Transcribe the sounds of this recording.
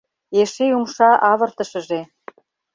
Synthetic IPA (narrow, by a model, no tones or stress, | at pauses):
eʃeumʃɑʔɑβə̆rt̪ə̆ʃə̆ʒe